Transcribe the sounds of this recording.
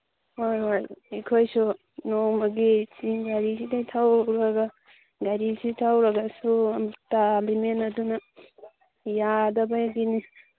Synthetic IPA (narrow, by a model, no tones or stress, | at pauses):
wojajekʰojsu | nomɐɡisiɡaɾisidajtʰawɾɐɡa | ɡaɾisitʰawɾɐɡasumtalimenɐdunɐ | jadɐbajɡini